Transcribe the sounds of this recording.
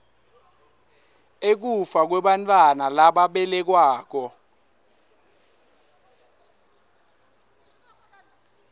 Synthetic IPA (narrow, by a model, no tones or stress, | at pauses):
ek̬ufak̬wɛɓantʼwanalaɓaɓɛlɛk̬waːk̬ɔ